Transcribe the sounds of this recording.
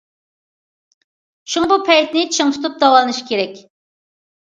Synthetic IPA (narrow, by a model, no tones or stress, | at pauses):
ʃuŋɑbupʰɛjt̪nɪt͡ʃʰɨŋt̪ʰu̥t̪ʰup̚d̪ɑwɑlˠɨnɨʃi̥kʲeɾɛkʲ